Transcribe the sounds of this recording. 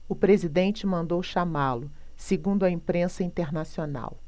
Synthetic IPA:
ʊpɾezid̪ẽnt͡ʃɪmɐ̃nd̪owʃamalʊ | seɡũnd̪ʊɐĩpɾẽsɐĩnt̪eɾnasiona̰w

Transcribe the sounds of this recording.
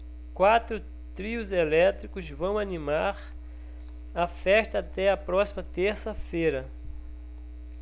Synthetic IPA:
kwat̪ɾʊ | t̪ɾiʊzelɛt̪ɾikʊzvɐ̃w̃animaɾ | ɐfɛʃt̪ɐːt̪ɛɐpɾɔsimɐt̪eɾsɐfejɾɐ

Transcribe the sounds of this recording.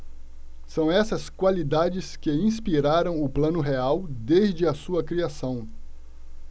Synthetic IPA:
sɐ̃w̃ɛsɐskwalid̪ad͡ʒɪskɪĩspiɾaɾɐ̃w̃ʊplɐ̃nʊɦeawd̪ezd͡ʒɪɐsuɐkɾiasɐ̃w̃

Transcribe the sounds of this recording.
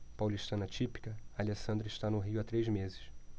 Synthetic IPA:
pawliʃt̪ɐ̃nɐt͡ʃipi̥kɐalesɐ̃nd̪ɾɐɪʃt̪anʊɦiʊat̪ɾejzmezɪ̥s

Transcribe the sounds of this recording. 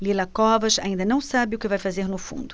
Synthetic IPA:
lilɐkɔvɐʃa̰ĩd̪ɐnɐ̃w̃sabɪʊkɪvajfazeɾnʊfṵ̃nd̪ʊ

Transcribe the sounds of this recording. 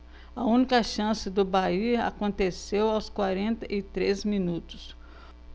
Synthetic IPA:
ɐũnikɐʃɐ̃sɪd̪ʊbaia̰kõnt̪esewawskwaɾẽnt̪ɐʔɪt̪ɾezminut̪ʊ̥s

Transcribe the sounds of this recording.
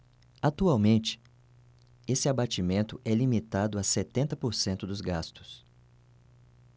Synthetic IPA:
at̪uawmẽnt͡ʃɪ̥ | esɪabat͡ʃimẽnt̪ʊʔɛlimit̪ad̪ʊaset̪ẽnt̪ɐpoɾsẽnt̪ʊd̪ʊzɡast̪ʊ̥s

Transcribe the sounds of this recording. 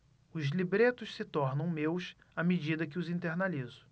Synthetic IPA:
ʊzlibɾet̪ʊʃsɪt̪ɔɾnɐ̃w̃mews | amed͡ʒid̪ɐkɪʊzĩnt̪eɾnalizʊ̥

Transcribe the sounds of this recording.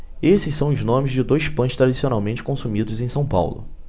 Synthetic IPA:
esɪsːɐ̃w̃ʊznõmɪzd͡ʒɪd̪ojspɐ̃ʃt̪ɾad͡ʒisionawmẽnt͡ʃɪ̥kõsumid̪ʊzẽj̃sɐ̃w̃pa̰wlʊ̰

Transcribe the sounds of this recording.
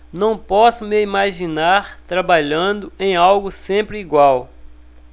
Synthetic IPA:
nɐ̃w̃pɔsʊmɪimaʒinaɾt̪ɾabaʎɐ̃d̪ʊẽj̃awɡʊsẽpɾɪiɡwaw

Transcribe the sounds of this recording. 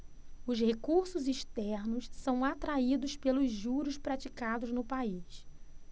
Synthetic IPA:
ʊzhekuɾsʊziʃt̪ɛɾnʊssɐ̃w̃at̪ɾaid̪ʊspelʊzʒuɾʊʃpɾat͡ʃikad̪ʊznʊpais

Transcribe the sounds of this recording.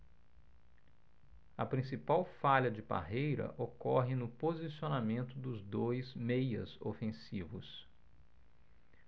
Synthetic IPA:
ɐpɾĩsipawfaʎɐd͡ʒɪba̰ɦejɾɐ̰ʔokɔɦɪnʊpozisionamẽnt̪ʊd̪ʊzd̪ojzmejɐ̰zo̰fẽsivʊ̰s

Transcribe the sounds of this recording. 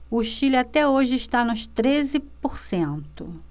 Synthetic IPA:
ʊʃilɪat̪ɛoʒɪiʃt̪anʊst̪ɾezɪpoɾsẽnt̪ʊ̰

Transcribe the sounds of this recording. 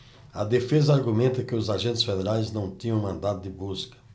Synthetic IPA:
ɐd̪efezɐaɾɡumẽnt̪ɐkɪʊzaʒẽnt̪ɪ̥sfed̪eɾajznɐ̃w̃t̪ĩɲɐ̃w̃mɐ̃nd̪ad̪ʊd̪ɪbuskɐ̥

